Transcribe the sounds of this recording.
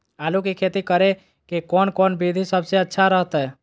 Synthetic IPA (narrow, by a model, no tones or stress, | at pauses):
aːlukekʰeːt̪ikəɾe | kekɔːnkɔːnbid̪ʱisəbseətːʃʰaɾəɦt̪ɛ